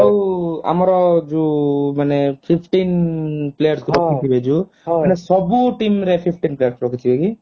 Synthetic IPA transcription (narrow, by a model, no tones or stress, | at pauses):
awa̰maɾɔd͡ʒumanɛpʰipʰʈinplejaɾstt̪ʰuɾɔkiibɛd͡ʒu | manɛsɔbuʈimɾɛpʰipʰʈinplejaɾst̪ʰuɾɔkit̪ʰibɛɡi